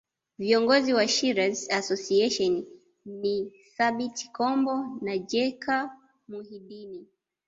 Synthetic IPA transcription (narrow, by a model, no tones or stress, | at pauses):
viɔŋɡɔziwaʃiɾazasɔsiɛʃɔn | ni | saɓiti̥kɔmbɔnad͡ʒɛkʰa | muhiɗini